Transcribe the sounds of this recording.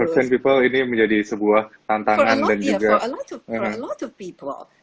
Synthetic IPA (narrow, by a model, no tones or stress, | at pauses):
ərsɛnpipəliniməɲd͡ʒadisəbuaht̪ant̪aŋandand͡ʒuɡaəɦəlɔtɔvpipl